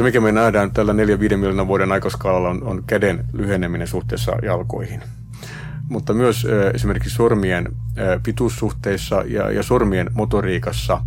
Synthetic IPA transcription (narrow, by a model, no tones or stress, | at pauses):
emikæmenæːdænt̪ælːæneljæʋiːdemiljonɑʋuoɾenɑikɑskɑlɑlːɑononkædenlyheneminensuht̪ḛːsːɑ̰jɑlko̰ihin | mut̪ːɑmyøsøːesimerkiksormienːpit̪usːuht̪eisːɑjɑ̰jɑ̰sormienmot̪oriːkɑsːɑ